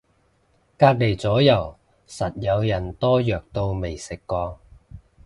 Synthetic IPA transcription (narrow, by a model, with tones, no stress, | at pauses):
kaː˧k̚le˨˩jt͡sɔː˨˥jɐ˨˩w | sɐ˨t̚jɐ˨˧wjɐ˨˩nt̪ɔː˥jœː˨k̚t̪o˧wme˨˩jsɪ˨kːɔː˧